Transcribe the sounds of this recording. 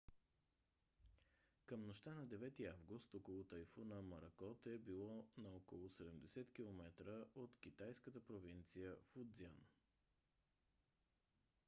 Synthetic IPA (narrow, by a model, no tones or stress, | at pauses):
kəmnoʃt̪anɐd̪ɛvɛt̪iavɡʊst̪ɔkolˠʊt̪ɐjfonəmɐɾɐkɔt̪ɛbilˠɔnɐɔkolˠʊsɛd̪ɛmd̪ɛsɛt̪k̟ilˠomɛt̪ɾəʔot̪kit̪ajskət̪əpɾovint̪sijəfud̪zian